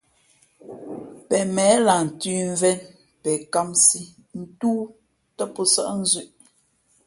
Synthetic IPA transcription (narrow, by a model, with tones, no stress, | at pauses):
pɛ˨mɛ˨˦la˨n̩˨ti˦ɱ˦vɛ˦n | pɛ˨ka˦msi˦ | n̩˦tuː˦ | tə˦pɔ˦sa˦ʔn̩˦zʉ˦ʔ